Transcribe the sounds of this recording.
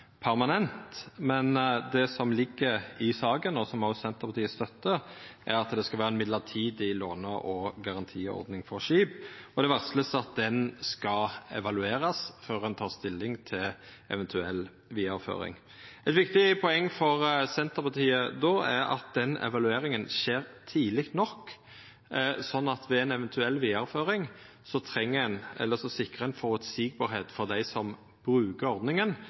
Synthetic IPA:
pʰæɾmɑnɛnt̪mɛnd̪ɛsɔmlɪɡːəɪsɑːɡənːoːsɔmɑʊsɛnt̪əʁpʰɑt̪iːəst̪œt̪ːəʔæɾɑt̪d̪ɛskɑʋæːɾʁəɛnmɪd̪ləʁt̪ʰiːd̪ɪloːnəʔɔɡɑʁɑnt̪ʰiːɔ̰ɾd̪nɪŋfɔɾʂiːbɔd̪ɛʋæʁsləst̪ɑt̪̚d̪ɛnskɑɛ̰ʋɑlʉeːɾɑsføːɾɛnt̪ʰɑːʁst̪ɪlːɪŋt̪ʰɪl | ɛ̰ʋɛnt̪ʰʉɛlː | ʋiːɑɾfø̰ːɾɪ̰ŋ | ɛt̪ʋɪkt̪ɪpʰɔɛŋːfɔɾsɛnt̪əʁpɑt̪ʰiːəd̪oɛɾɑ̰t̪̚d̪̥ɛnɛ̰ʋɑlʉeːɾɪŋənʃeːɾt̪ʰiːlɪkt̪nɔkː | sɔnːɑt̪ʋɛɛnɛʋɛnt̪ʰʉɛlːʋiːɑɾføːɾɪŋ | sɔt̪ʰɾɛŋːəɛnɛ̰lːəsɔsɪkːɾəɛnfoːʁʉt̪siːɡ̚bɑːɾheːt̪fɔʁd̪æɪsɔm | b̥ɾʉːkəɾɔɾd̪nɪŋən

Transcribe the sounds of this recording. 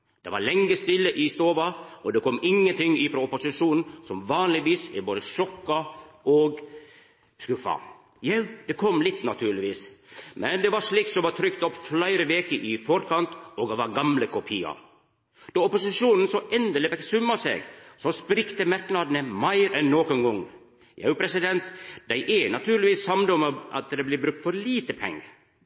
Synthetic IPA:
d̪̥ɛʋɑ̰ɾɭɛŋːəst̪ɪlːəʔɪst̪oːʋɑɔd̪ɛkʰɔmːɪŋːənt̪ʰɪŋːɪfɾoːɔpʊsɪʂuːnn̩sɔmʋɑːnlɪʋiːsɪ̰boːd̪əʃɔkːɑʔɔɡ | skʉfɑ̰ | jæd̪̥ɛkʰɔmːlɪt̪ːnɑt̪ʰʉːɾɭɪʋiːsmʔɛnd̪ɛʋɑɾʂɭiːksɔmʋɑt̪ʰɾʏkt̪ɔpːflæɪɾəʋeːkəʔɪfɔɾkʰɑnt̪ɔɡɑʋɑɾɡɑmləkʰʊpʰiːɑ̰ | d̪̥ɑːɔpʊsɪʃuːnn̩sɔʔɛnd̪əlɪfɛksʉmːɑsḛːɡsɔspɾɪkt̪əmæɾknɑd̪nəmæɪɾɛnːoːkʊnɡɔŋː | jɑ̰ʉpʰɾɛsɪd̪ɛnt̪d̪̥æɪʔɛnɑt̪ʰʉːɾlɪʋiːshɑmd̪ɔmɑ̰t̪̚d̪ɛɪblɪbɾʉk̚t̪fɔɾliːt̪əpʰɛ̰ŋːə

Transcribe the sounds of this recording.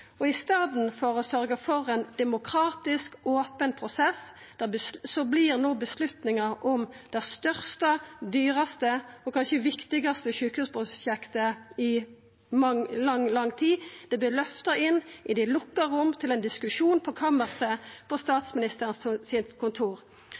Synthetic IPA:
ɔɪst̪ɑːd̪n̩fɔʁɔsœʁɡəfɔʁɛnd̪̥ɛmʊkʰɾɑːt̪ɪskoːpənpʰʁʊsɛs | d̪̥æʁbəsɔblɪʁnoːbəslʉt̪nɪŋɑʔɔmd̪ɛst̪œʁst̪ɑd̪yːʁɑst̪əɔkʰɑnʃəʋɪkt̪ɪɡɑst̪əçʉːkhʉːspʰʁʊɕɛkt̪əɪ | mɑlɑŋlɑŋːt̪ʰiːd̪̥ɛblɪlœft̪ɑɪnːʔɪd̪ɛlʊkːəʁʊmːt̪ʰɪlɛnd̪ɪskʉʂuːnpʰɔkʰɑməʁsəpʰɔst̪ɑːt̪smɪnɪst̪əʁənssɪnkʰʊnt̪ʰuːʁ

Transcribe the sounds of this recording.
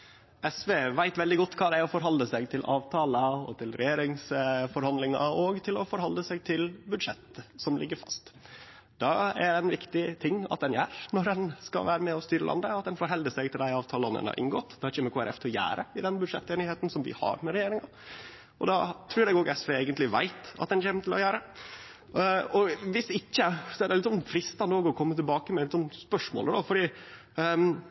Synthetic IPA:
ɛsʋeːʋæɪt̪ʋɛld̪ɪɡɔt̪ːkʰɑːd̪ɛæɾɔfɔɾɦɑlːəsɛɡt̪ʰɪlʔɑːʋt̪ʰɑːlɑɔ̰t̪ʰɪlɾɛ̰jeːɾɪŋsfɔɾhɑnd̪lɪŋɑ̰ɔɡt̪ʰɪlɔfɔɾhɑlːəsæɡt̪ʰɪlbʉd̪ʂɛt̪ːsɔmlɪɡːəɾfɑst̪ | d̪̥ɑæɾɛɪnʋɪkt̪ɪt̪ʰɪŋːɑ̰t̪̚d̪ɛnjæːɾnɔɾɛnskɑ̰lʋæːɾəmɛɔst̪yːɾəlɑ̰nd̪əɑt̪̚d̪ɛnfoɾɦɛld̪əsɛɡ̚t̪ɪld̪æɪɑːʋt̪ʰɑːlɔnə̰nɑ̰ʔɪ̰ŋɡɔt̪ːd̪ɛhɑɾɪçəmɛkʰuːæɾɛ̰ft̪ʰɔjæ̰ːɾəɪd̪ɛnbʉd̪ʂɛ̰t̪ːɛnɪheːt̪n̩sɔmʋɪ̰hɑ̰ɾmɛɾɛjeːɾɪŋɑ | ʔɔd̪ɑt̪ʰɾʉːɾɛɡoːɡɛsʋeːeːɡənt̪lɪʋæɪt̪ɑ̰t̪d̪ɛnçɛːmət̪ʰɪlɔ̰jæːɾə | ɔʋɪsɪçːəsɔɛɖ̪ɛlɪt̪sɔnfɾɪst̪ɑnd̪oːɡɔkʰɔmːət̪ɪlbɑːkəmɛlɪt̪sɔmspœʂmo̰ːləd̪ɔfɔɖiː

